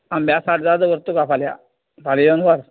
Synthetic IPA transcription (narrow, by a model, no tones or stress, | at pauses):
ãmbjasaʈd͡zad̪əʋəɾt̪ukafalja̰ | falijonʋaɾ